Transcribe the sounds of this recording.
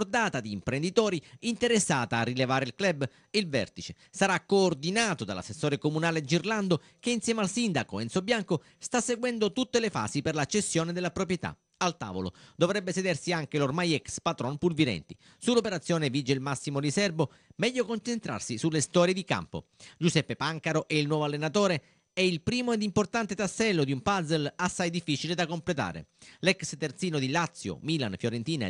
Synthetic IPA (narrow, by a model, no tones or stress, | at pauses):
rd̪aːt̪ad̪iːmpɾend̪it̪ɔːɾiint̪eɾesːaːt̪aːrːilevaːɾeilklɛbː | ilvɛ̰rt̪it͡ʃe | saɾakːoːrd̪inaːt̪od̪ala̰sːesːoːɾekomunaːled̪id͡ʒirland̪o | keinsjɛːmealsind̪akoɛnt̪sobjaŋko | st̪asːeɡwɛnd̪ot̪ut̪ːelefa̰ːsiperlat͡ʃːesːjoːned̪elːapɾopɾjet̪a̰ | alt̪a̰ːvo̰lo̰d̪ovɾɛbːesed̪ɛrsiaŋk̟elormajɛkspat̪ɾɔnpulviɾɛ̰nt̪i | sulːopeɾat̪sːjɔːnevid͡ʒeilmasːimolisɛrbo | mɛʎːokont͡ʃent̪ɾa̰rsisulːest̪ɔːɾjed̪ika̰mpo̰d͡ʒusɛpːepaŋkaɾoʔɛilnwɔːvoalːenat̪oːɾe | ɛilpɾiːmoed̪import̪ant̪et̪asːɛlːod̪iumpazelasːajd̪ifːit͡ʃiled̪akomplet̪a̰ːɾḛlɛkst̪ert̪siːnod̪ilat̪sːjo̰miːlanfjoɾent̪iːna̰